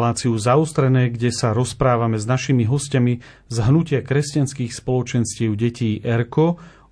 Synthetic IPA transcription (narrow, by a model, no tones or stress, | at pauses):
laːt͡siuzaɔst̪ɾɛnɛːɡɟɛsaɾɔspɾaːʋamɛznaʃimiɦɔscami | zɦnucɪakɾɛscanskiːxspɔlɔt͡ʃɛnscɪɛʊɟɛciːʔɛɾkɔ